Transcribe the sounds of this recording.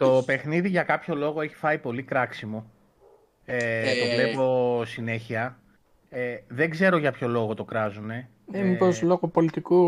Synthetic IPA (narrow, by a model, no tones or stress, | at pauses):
t̪o̞pe̞xniðiʝɐkɐpço̞lo̞ɣo̞e̞çi̥fɐipo̞likɾɐksimo | et̪o̞vle̞po̞sine̞çiɐ | ðe̞ɡze̞ɾo̞ʝɐpço̞lo̞ɣo̞t̪o̞kɾɐzune̞ | emipozloɣopo̞lit̪iku